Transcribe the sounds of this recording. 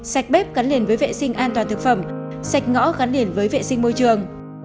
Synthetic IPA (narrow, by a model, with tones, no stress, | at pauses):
sa˨˩jk̚ɓe˦˥p̚ɣa˨˦nli˨˩ənvəː˨˦jvḛ˧˨sï˧ŋ̟ʔaː˧nt̪waː˨˩nt̪ɨ˨˩k̚fə˧˩msa˨˩jk̟̚ŋɔ̰˧˥ɣa˨˦nli˨˩ənvəː˨˦jvḛ˧˨sï˧ŋmo˧jt͡ɕɨ˨˩əŋ